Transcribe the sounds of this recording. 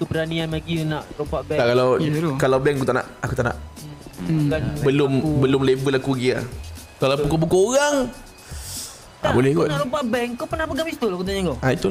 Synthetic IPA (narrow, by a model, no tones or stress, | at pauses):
kəbəɾanianmaɡinaʔɾupaʔbɛakalawkalawbɛŋakut̪aʔna̰ʔakut̪aʔna̰ʔ | kanbəlʊmbəlʊmlebəlakuɡia̰ | kalappukobukooɣaŋ | a̰bolɛhɡonaaʔɾupaʔbɛŋkopənahpəɡamist̪ulkut̪aɲaŋɡoait̪ul